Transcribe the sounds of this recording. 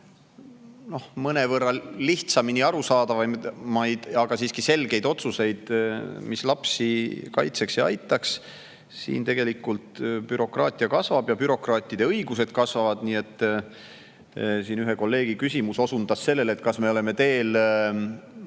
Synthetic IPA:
no̞hmɤnevɤrːɑliht̪sɑminiɑɾusɑːd̪̥ɑvɑmɑj̪ɑɡ̥ɑsiːskise̞lɡ̥e̞jd̪̥o̞t̪suse̞jd̪̥mislɑpsikɑjt̪se̞ksjɑɑ̰jt̪ːˑɑks | sḭːnt̪e̞ɡ̥e̞likːˑult̪pyɾo̞krɑːt̪ʲˑiɑkɑsvɑb̥jɑpyɾo̞krɑːt̪ːˑid̪̥e̞ɤjɡ̥use̞d̪̥kɑsvɑvɑd̪̥niːe̞t̪ː | siːnyɦeko̞lːe̞ːɡ̥ikysʲimuso̞sund̪̥ɑsːe̞lːe̞let̪ːˑkɑsme̞ole̞me̞t̪e̞ːl

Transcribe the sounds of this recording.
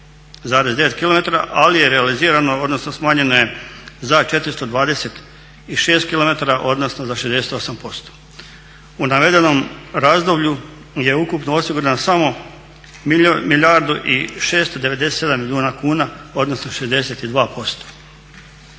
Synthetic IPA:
zaːɾe̞zd̪e̞ʋe̞t̪̚kilo̞me̞t̪aɾa̰ʔalijeɾe̞aliziːɾanoo̞d̪no̞snosmaːɲe̞nojezat͡ʃe̞t̪ɾist̪o̞d̪ʋaːd̪e̞se̞t̪ | iʃe̞ːst̪kilo̞me̞t̪aɾaʔo̞d̪no̞snozaʃezd̪e̞set̪o̞sampo̞st̪o̥ | unaʋe̞d̪e̞no̞mɾazd̪o̞bʎu | je̞ukupnoosiɡuɾanasamo̞ | miljaɾd̪uʔiʃe̞ːst̪o̞d̪e̞ʋe̞d̪eset̪e̞d̪amːilʲjuːnakuːnao̞d̪no̞snoʃe̞zd̪e̞se̞t̪id̪ʋaːpʰo̞st̪o̥

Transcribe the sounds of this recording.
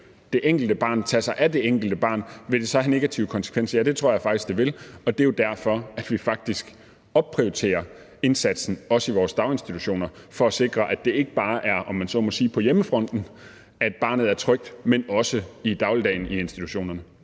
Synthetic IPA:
d̥e̝ʔeŋ̰ɡ̥l̩d̥əb̥ɑ̈ːnt͡sʰæsɑ̈ɪʔæd̥e̝eŋ̰ɡ̥l̩d̥əb̥ɑ̈ːnʋe̝d̥e̝sɒ̽hæne̝ɡ̥æt͡sʰḭʊəkʰɒ̽nsə̥kʰʋen̰sɐjæd̥e̝t͡sʰʁo̝ɐ̰jɑ̈ɪfɑ̈ɡ̥d̥isɡ̥d̥eʋe̝lɒ̽d̥e̝jo̝d̥æɐ̰fɒ̽æd̥ʋifɑ̈ɡ̥̚d̥isɡ̥ | ɒ̽b̥̚pʰʁiot͡sʰe̝̰ːɐ | e̝nsæd̥sn̩ɒ̽səiʋɒːsd̥ɑ̈ʊe̝nsd̥it͡sʰu̥ɕo̝̰ːnɐ | fɒ̽æse̝ɡ̥ʁɐʔæd̥e̝e̝ɡ̥əb̥ɑ̈ːʔæɐʔɒ̽mːænsɒ̽ːmɒ̽siːpʰɒ̽jeməfʁɒ̽n̰d̥n̩ | æd̥̚b̥ɑ̈ːnð̩ˠæɐt͡sʰʁœɡ̥̚d̥menɒ̽səid̥ɑ̈ʊləd̥ɛ̰ːɪnie̝nsd̥it͡sʰu̥ɕo̝̰ːnɐnə

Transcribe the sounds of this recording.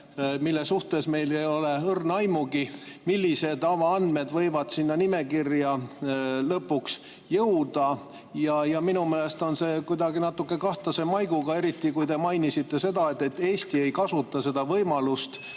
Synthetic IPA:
milːesuht̪e̞sme̞jlejo̞le̞ɤrnɑjmuɡimilʲːise̞d̪ɑvɑɑnd̪me̞d̪vɤ̞jvɑd̪̥sinːɑnime̞kirjɑ | lɤpːuks | jɤwd̪̥ɑ | jɑjɑminumeːlest̪o̞nse̞kud̪ɑɡinɑt̪ːˑukːe̞kɑht̪ɑse̞mɑjɡ̥uɡ̥ɑe̞ɾit̪ːikujd̪e̞mɑjnisit̪ːe̞se̞d̪ɑe̞t̪ːˑe̞t̪ːe̞ːst̪ie̞jkɑsut̪ːˑɑse̞d̪ɑvɤjmɑlust̪

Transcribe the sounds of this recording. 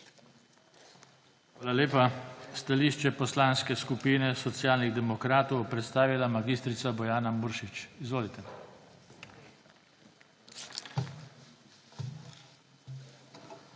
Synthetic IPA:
xʋaːlaleːpast̪aliːʃt͡ʃɛpɔslaːnskɛskupiːnɛsɔt̪sjaːlniɣd̪ɛmɔkɾaːt̪ɔwpɾɛt̪st̪aːʋilamaɡiːst̪ɾit̪sabɔjaːnamuɾʃit͡ʃizʋoːlit̪ɛ

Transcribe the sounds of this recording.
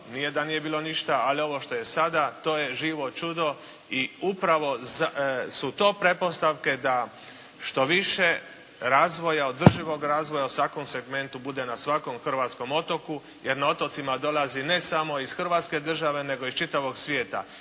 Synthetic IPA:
nijed̪anije̞biːlˠo̞niʃt̪aalio̞ʋo̞ʃt̪o̞je̞sad̪at̪o̞ːje̞ʒiːʋo̞t͡ʃud̪o̞ | iupɾaʋo̞zasut̪o̞ːpɾe̞po̞st̪aʋke̞d̪a | ʃt̪o̞ʋiʃe̞ | ɾaːzʋo̞jaod̪r̩ʒiʋo̞ɡɾaːzʋojausʋako̞mse̞ɡme̞nt̪ubud̪e̞nasʋako̞mxr̩ʋaːt̪sko̞mo̞t̪o̞ku | je̞ɾnao̞t̪o̞t̪simad̪o̞lazine̞samo̞isxr̩ʋaːt̪ske̞d̪r̩ʒaʋe̞ne̞ɡo̞ist͡ʃit̪aʋo̞ɡsʋje̞ːt̪a̰

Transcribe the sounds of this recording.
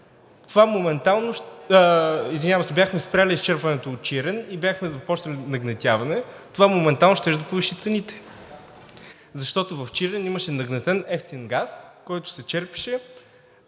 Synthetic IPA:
t̪ovamomɛnt̪alˠnoʃ | izvinʲavɐsɛbʲjaxmɛspɾʲalʲiːst͡ʃɛɾpɐnɛt̪oːt̪̚t͡ʃiɾɛnibjaxmɛzɐpɔt͡ʃnəlʲinɐɡnɐt̪ʲavɐnɛ | t̪ovamomɛnt̪alˠnoʃt̪ɛʒd̪ɐpoviʃit̪sɛnit̪ɛ̥ | zɐʃt̪ɔt̪ovɐft͡ʃiɾɛniməʃɛnɐɡnɐt̪ɛnɛft̪inɡaskɔjt̪ʊ̥sɛt͡ʃɛɾpi̥ʃɛ

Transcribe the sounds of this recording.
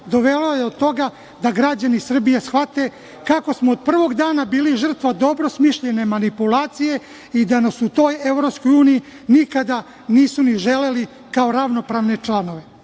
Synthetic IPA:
d̪o̞ʋe̞lojeod̪̚t̪ːo̞ɡa | d̪aɡɾad͡ʑanisr̩bijesxʋat̪e̞ | kako̞smoːd̪̚pr̩ʋo̞ɡd̪aːnabiːliʒr̩t̪ʋad̪o̞bɾosmiʃʎe̞ne̞manipulˠaːt̪sije̞ | id̪anasut̪o̞ːjeʋɾopsko̞juːniji | nikad̪a | niːsuniʒele̞li | kao̞ɾaʋno̞pɾaʋne̞t͡ʂlˠano̞ʋe̞

